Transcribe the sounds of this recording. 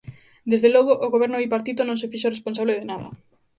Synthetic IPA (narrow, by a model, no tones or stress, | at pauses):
d̪ezðelɔɣoʔːɣoβɛɾnoβipaɾt̪it̪onõŋsefiʃoresponsaβleðenaðɐ̰